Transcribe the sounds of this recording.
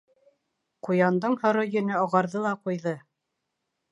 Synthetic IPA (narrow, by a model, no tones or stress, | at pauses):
qujɑnd̪ɤɴhɤ̆ɾojɵ̆nɘɑ̆ʁɑɾðɤlˠɑqujðɤ